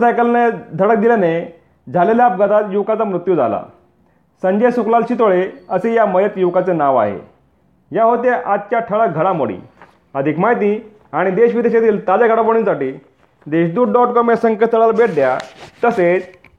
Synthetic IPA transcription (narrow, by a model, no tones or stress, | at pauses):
sajkəlned̪ʱəɽək̚d̪iljane | d͡zʱaleljap̚ɡət̪at̪juʋkat͡samɾut̪jud͡zʱa̰la̰ | səɲd͡ʑəjsuklalɕit̪oɭeəsejaməjət̪juʋkat͡senaʋa̰ɦḛ | jaɦot̪̬eʔat̪̚kjaʈʰəɭəɡʱəɽamo̰ɽḭː | əd̪ʱikmajt̪̬ĩ | aɽ̃id̪eɕʋid̪eɕat̪iːlt̪ad͡zaɡʱəɽapəɽunsaʈiː | d̪eɕd̪uːɖɖɔʈkɔmjasə̃ŋkət̪ːəɭalbeʈ̚d̪ja̰t̪əset͡s